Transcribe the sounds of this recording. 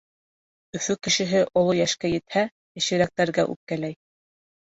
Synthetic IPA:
ɵ̆fɵkɘ̆ʃɘ̆ɦɘʔŏlˠojæʃkæjɘ̆t̪hæ | ɘ̆ʃɘ̆ɾæk̚t̪æɾɡæʔʉ̰p̚kælæj

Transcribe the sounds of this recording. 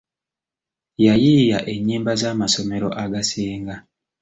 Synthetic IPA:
jajiːjaʔeɲːiːmbazaːmasome̞ɾo̰ʔaɡaseːŋɡa

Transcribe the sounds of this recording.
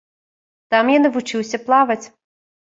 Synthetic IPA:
t̪amjanɐvut͡ʂɨwsʲɐplˠavɐt͡sʲ

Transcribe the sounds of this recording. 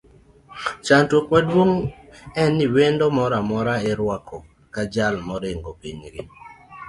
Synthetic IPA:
t͡ʃantwokmadwoŋɛnɪwendɔmɔɾamɔɾaɪɾwakʰɔ | kad͡ʒalmɔɾɪŋɡopiɲɡɪ̰

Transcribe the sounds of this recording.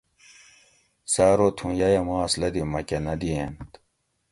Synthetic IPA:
saːɾoːt̪ʰũjajɐmaːslɐd̪imɐkɐnɐd̪ient̪

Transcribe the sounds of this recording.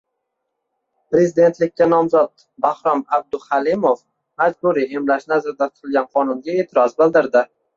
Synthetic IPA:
pɾe̞zɪd̪e̞nt̪lɪk̚ʲːanɒmzɒt̪̚ | bahɾɒmab̚d̪ʊhalɪmof | mad͡ʒbuɾiemlaʃnazaɾd̪at̪ʰʊ̥t̪ʰɪlˠɡʲanqʰɒnʊnɡʲae̞ːt̪ʰɪɾɒzbɪld̪ɪɾd̪ɪ

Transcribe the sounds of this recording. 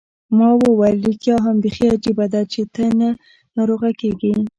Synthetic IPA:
mɑwəwaɾlikjɑɦambexiad͡ʒibad̪at͡ʃet̪əna | nɑɾoɣakeɡi

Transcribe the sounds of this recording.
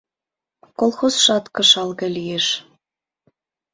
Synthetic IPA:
kolˠxosʃɑt̪kə̆ʃɑlɣĕlʲijeʃ

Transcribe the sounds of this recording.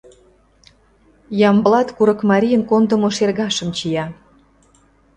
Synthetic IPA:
jɑmblɑt̪kuɾɤ̆kmɑɾʲijənkond̪ə̆moʃerɣɑʃə̆mt͡ɕijɑ

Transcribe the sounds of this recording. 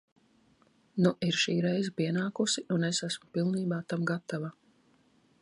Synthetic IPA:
nuʔiɾʃiːɾɛjzpiɛnaːkusiʔunesæsmʊpilˠniːbaːt̪amɡat̪ava

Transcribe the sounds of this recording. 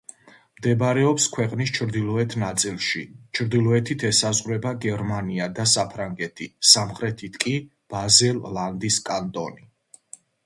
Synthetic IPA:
md̪ɛbɾɛɔpskʰwɛqʼnis̬t͡ʃʰɾd̪ilˠɔɛt̪ʰnat̪sʼilˠʃḭt͡ʃʰɾd̪ilˠɔɛt̪ʰit̪ʰɛsazʁɾɛbaɡɛɾmaniad̪asapʰɾaŋɡɛt̪ʰisamχɾɛt̪ʰit̪ʰkʼi | b̥azɛlˠland̪iskʼant̪ʼɔ̰ni

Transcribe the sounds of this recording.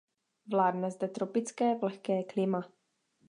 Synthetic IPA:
vlaːdnɛzdɛt̪ɾo̞pɪt͡skɛːvlɛxkɛːklɪma

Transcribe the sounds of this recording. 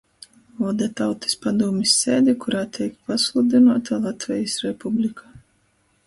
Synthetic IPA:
ɔːd̪ɛt̪awt̪i̥spad̪uɔmʲisʲːeːd̪ʲɛkuɾaːt̪ʰʲɛjkpaslˠud̪ʲinuɔt̪alˠat̪vʲɛjisɾɛpublʲikʰa

